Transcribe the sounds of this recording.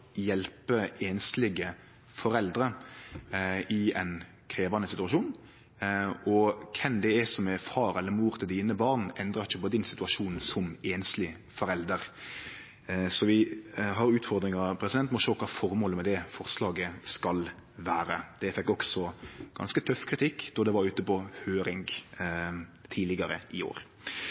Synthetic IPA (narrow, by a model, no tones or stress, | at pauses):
jɛlpəeːnslɪɡə | fɔɾɛld̪ɾə | ɪɛn | kʰɾeːʋɑnəsɪt̪ʉɑʃuːn | ʔɔkʰɛmd̪ɛɛsɔmɛfɑːɾɛlːəɾmuːɾt̪ʰɪld̪iːnəbɑːʁnɛnd̪ɾɑɾɪçːəpɔd̪ɪnsɪt̪ʉɑʃuːnsɔmeːnslɪ | fɔɾɛld̪əɾ | sɔʋɪɦɑɾʉːt̪fɔɾd̪ɾɪŋɑpʰɾɛsɪd̪ɛnt̪mɔʃoːkʰɑːfɔɾmoːləmɛd̪ɛfɔɾslɑːɡəskɑlʋæːɾəd̪̥ɛfɛkːɔksɔɡ̥ɑ̰nskət̪ʰœfkʰɾɪt̪ʰɪkːd̪ɔd̪ɛʋɑɾʉːt̪əpɔhøːɾɪŋɡ | t̪ʰiːlɪɡɑɾəʔɪo̰ːɾ